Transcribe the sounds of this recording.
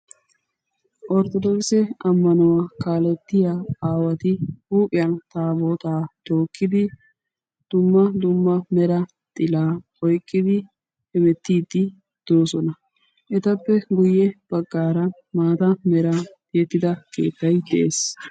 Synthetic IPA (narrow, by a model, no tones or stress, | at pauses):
ʔɔɾt̪ɔd̪ɔksɛɐmːɐnɔwakaːlɛt̪ːɪjaaːwɐt̪ɪhuːpʼɪjɐnt̪aːboːt̪aːd̪̥o̞ːkːɪd̪ɪ | d̪̥ʊmːɐd̪ʊmːɐmɛɾɐ | t̪ʼɪlaː | ɔjkʼːɪd̪ɪ | hɛmɛt̪ːiːd̪ːɪ | d̪̥oːsɔnɐ | ʔɛt̪ɐpːɛɡʊjɛb̥ɐɡːaːɾɐ | maːt̪ɐmɛɾa | jɛt̪ːɪd̪ɐke̞̰ːt̪ːɐjd̪ɛʔeːs